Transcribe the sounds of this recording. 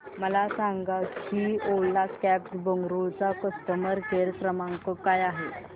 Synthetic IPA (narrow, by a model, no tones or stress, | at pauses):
məlasaŋɡakiolːakæpsbəŋɡɾuɭt͡sakəst̪əməɾɡʱeɾsɾəmaŋkokajaɦe